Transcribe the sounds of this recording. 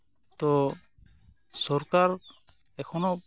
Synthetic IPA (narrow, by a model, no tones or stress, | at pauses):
t̪ɔ | sɔɾkaɾ | ɛkʰɔnɔ